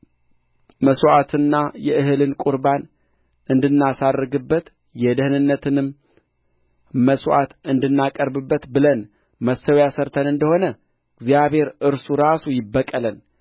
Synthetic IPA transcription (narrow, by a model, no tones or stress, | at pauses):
məsʔat̪ʰɨnːajɛʔɨɦɨlɨnkʼuɾban | ʔɨnd̪ɨnːasarːɨɡɨbːət̪ | jɛd̪əhnɨnːət̪ʰɨnɨm | məswʔa̰t̪ɨnd̪ɨnːakʼəɾbɨbːət̪bɨlən | məsːəwjasəɾt̪ʰənɨnd̪əho̞nə | ɡzijaβhe̞ɾʔɨɾsuɾasujɪbːəkʼələn